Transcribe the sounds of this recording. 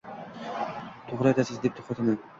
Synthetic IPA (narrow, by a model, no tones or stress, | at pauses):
t̪ʰoχɾaet̪ʰasɪzd̪ep̚t̪ʰo̥χat̪ʰɪman